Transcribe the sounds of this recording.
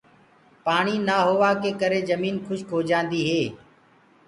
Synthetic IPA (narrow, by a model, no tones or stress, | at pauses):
paːɳiːnaːɦʊʋaːkeːkəɾeːzəmiːnkʰʊʃkʰoːd͡ʒãːnd̪iːɦeː